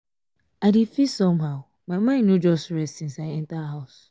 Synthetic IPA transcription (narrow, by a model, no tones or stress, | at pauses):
aɪdifisɔ̃mɦaʊ | mãmãɪ̃nːũd͡ʒɔstɹɛstsĩnsaɪɛ̃ntaɦaʊs